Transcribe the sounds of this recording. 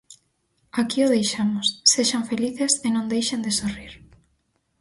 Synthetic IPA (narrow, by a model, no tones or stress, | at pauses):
akioðejʃamosːeʃaɱfeliθesenõŋd̪ejʃend̪esoriɾ